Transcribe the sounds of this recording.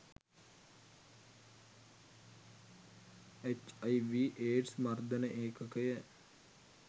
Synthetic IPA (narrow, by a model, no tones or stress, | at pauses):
et͡ʃaiʋiːʔeːʈsmɐrd̪ənəʔeːkəkəjə